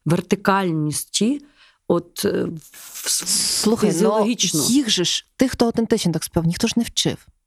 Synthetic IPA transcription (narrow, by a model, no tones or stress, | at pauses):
ʋert̪ɪkɑlʲnʲisʲtʲi | ɔt̪ | slˠuxɐijznʲjɔlˠɔɦʲit͡ʃnɔiɣʒɛʃt̪ɪxt̪ɔɐwt̪ɛnt̪ɪt͡ʃnɔt̪ɑkspʲawnʲixt̪ɔʒnɛwt͡ʃɪ̰w